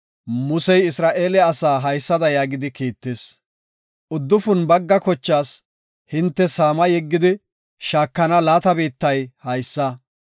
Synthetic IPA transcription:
mʊsɛjɪsɾaːʔe̞ːlɛɐsaːɦɐjsːɐd̪ɐjaːɡɪd̪ɪkiːt̪ːeːs | ʔʊd̪ːʊfʊnbɐɡːɐkɔt͡ʃːaːs | hɪnt̪ːɛsaːmɐjɛɡːɪd̪ɪ | ʃaːkːɐnɐlaːt̪ɐbiːt̪ːɐjhɐjsːɐ

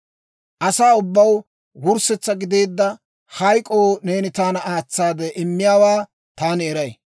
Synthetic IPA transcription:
ʔɐsaːʊbːɐw | wʊɾsɛt͡sːɐɡɪd̪e̞ːd̪ːɐ | hɐjkʼoːneːnɪt̪aːnɐaːt͡sːaːd̪ɛʔɪmːɪjaːwaː | t̪aːnɪɛɾɐj

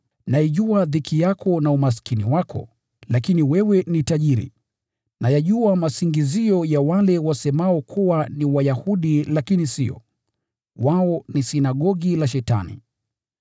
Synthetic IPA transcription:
naiʄuaðikʰijakʰɔnaumas̬kiniwakʰɔ̰ | lakiniwɛwɛnitaʄiɾḭ | najaʄuamasiŋɡiziɔjawalɛwasɛmaɔkʰuwaniwajahuɗilakinisiɔ̰ | waɔnisinaɠɔɠilaʃɛta̰nḭ

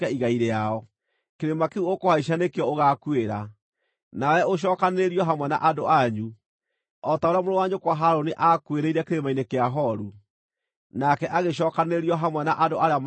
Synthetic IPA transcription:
aiɣaiɾeaɔ | keɾemakeuokohaiʃ̬anekeɔoɣakueɾa | nawɛoɕ̬ɔkaneɾiɔɦamwɛna̰ʔadoʔaɲu | ɔtaoɾeamoɾowaɲokwaɦaɾoniʔakweɾeiɾakeɾemainekeaɦɔɾu | nakɛʔaɣeɕ̬ɔkaneɾiɔɦamwɛnaʔadoaɾeam

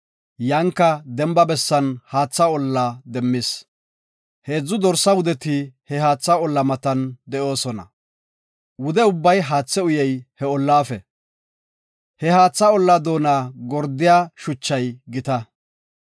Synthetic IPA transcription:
jɐŋkːɐd̪ɛmbɐbɛsːɐnhaːt͡sːaɔlːɐd̪ɛmːɪs | heːd͡zːʊd̪ɔɾsːɐwʊd̪ɛt̪ɪhɛɦaːt͡sːaɔlːɐmɐt̪ɐnd̪ɛʔo̞ːsɔnɐ̰ | wʊd̪ɛʊbːɐjɦaːt͡sːɛʊjɛjhɛɔlːaːfɛ | hɛɦaːt͡sːaɔlːɐd̪o̞ːnaːɡɔɾd̪ɪjaːʃʊt͡ʃːɐjɡɪt̪ɐ

